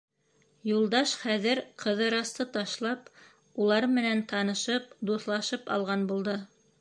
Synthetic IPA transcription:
julˠd̪ɑʃχæðɘɾqʰɤ̆ðɤ̆ɾɑst̪ɤt̪ɑʃlˠɑp | ulˠɑɾmɘ̆nænt̪ɑnɤ̆ʃɤp̚d̪uθlˠɑʃɤpɑ̰lˠʁɑnbulˠd̪ɤ

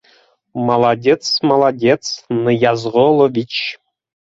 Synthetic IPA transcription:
mɑlˠadʲet̪t͡smɑlˠadʲet̪t͡snɨjɑzʁolˠovʲit͡ɕ

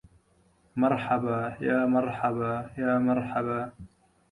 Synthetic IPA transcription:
mɑɾˤħabajaːmɑɾˤħabajaːmɑɾˤħaba

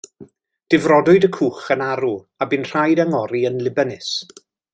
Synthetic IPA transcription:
d̥ɪvrɔdʊɨdəkʰuːχənaɾu | abɨnr̥ajdaŋɔɾiənlɪbənɪs

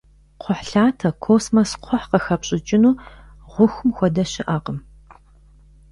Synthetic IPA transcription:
qʰʷʊħɬaːtʰɐkʷʰoːsmɐsqʷʰɔħqɐxɐpɕʼɪt͡ʃʼɪnuː | ʁʷʊxʊmxʷɔdɐɕɪʔaːqəm

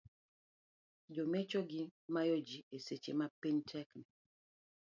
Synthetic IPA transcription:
d͡ʒomɛt͡ʃoɡimajod͡ʒieset͡ʃḛmapiɲtʰɛknɛ

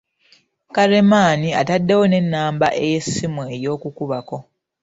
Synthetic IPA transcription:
kaɾe̞maːniatadːe̞wo̞ne̞nːaːmbaʔe̞jesimue̞jo̞ːkukuβako̞

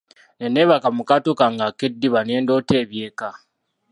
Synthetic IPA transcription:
neneβakamukatokaŋɡakedːiβane̞ːndo̞ːte̞ːβje̞ːka

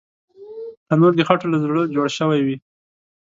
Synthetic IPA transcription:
t̪anoɾd̪əxaʈolazɽəd͡ʒoɽʃəwajwi

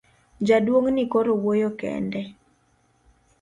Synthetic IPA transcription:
d͡ʒadwoŋnikoɾowojokɛ̰ndɛ

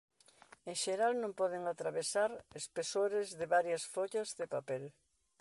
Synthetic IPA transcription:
ẽŋʃeɾalnõmpɔð̞eŋat̪ɾaβ̞esaɾespesoɾezðeβaɾjasfoʎazðepapɛl

